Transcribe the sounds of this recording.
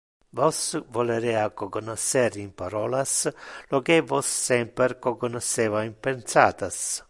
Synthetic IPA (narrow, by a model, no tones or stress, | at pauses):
vosvoleɾeːakokonoseɾimpaɾoːlaslokevosːɛmpeɾkokonoseːvaimpensa̰ːt̪as